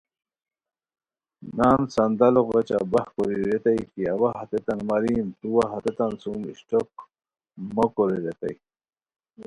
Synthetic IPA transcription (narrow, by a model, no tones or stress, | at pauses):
naːnsɐnd̪aloʁat͡ɕa̰bahkoɾiɾet̪ajkiabaɦat̪et̪anmaɾint̪uwaɦat̪et̪ansumḭɕʈok̚ | mokoɾiɾet̪a̰j